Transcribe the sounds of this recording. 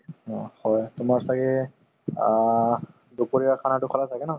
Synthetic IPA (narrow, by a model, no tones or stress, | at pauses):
hɔjtʊmaɹsaɡɛ | dupoɹiakʰanatʊkʰɔlajtʰakɛnɔ